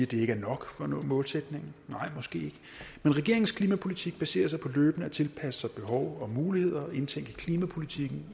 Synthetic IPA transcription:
æd̥e̝e̝ɡ̥æɐnɒ̽ɡ̥fɒ̽nɔ̰mɔ̽ːlsed̥ne̝ŋn̩nɑ̈ɪ̰mɒ̽sɡ̥e̝̰ːe̝ɡ̥ə | menʁɛɡ̥e̝ɐ̰eŋn̩skʰliːmæpʰo̝lit͡sʰiɡ̥̚b̥æse̝̰ːɐs̬ɑ̈ɪpʰɒ̽løːb̥nəæt͡sʰe̝lpʰæsə̥sɑ̈ɪb̥e̝ɦɒʊɒ̽muːlihe̝ð̞̰ˠɐʔe̝nt͡sʰeŋ̰ɡ̥əkʰliːmæpʰo̝lit͡sʰiɡ̥n̩

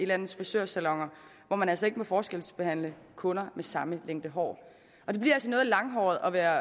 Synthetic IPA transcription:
ilæn̰ð̩ˠsfɒsøɐsælɒ̽ŋ̰ɐ | ʋɒmænælsɒe̝ɡ̥əmefɒːsɡ̥el̰sb̥e̝hæn̰ləkʰɔ̽nɐmesɑ̈məleŋ̰d̥əɦɒ̰ː | ʔɒ̽d̥e̝b̥liɐælsɒnɔ̽ːð̩ˠlɑ̈ŋɦɒ̰ːð̩ˠɒ̽ʋæːɐ

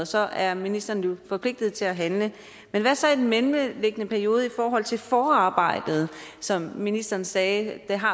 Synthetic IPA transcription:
sɒ̽æɐminisd̥ɐːnjufɒ̽pʰle̝ɡ̥̚d̥ð̞̩ˠt͡sʰe̝læɦænlə | menʋæsɒ̽id̥enmenleɡ̥ənəpʰæɐjo̝ːð̞̩ˠifɒːɦɒ̽l̰t͡sʰe̝lfɒːɑ̈ːb̥ɑ̈ɪ̰d̥ð̞̩ˠsɒ̽mːinisd̥ɐːnsɛːd̥eɦɑ̈

